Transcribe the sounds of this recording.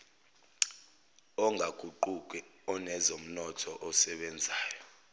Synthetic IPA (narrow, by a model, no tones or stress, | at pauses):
ɔŋʱaɡ̥ʱuǃuk̬ʼwɛɔnɛzom̩nɔtʰɔʔɔsɛɓɛnd͡zʱaːjɔ